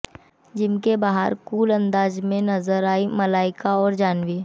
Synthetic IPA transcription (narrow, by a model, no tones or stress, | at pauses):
d͡ʒɪmkebaːɦə̰ɾkuːlɐ̃nd̪aːzmẽnɐzəɾaːimɐlaːɪkaɔːɾd͡ʒaːnwiː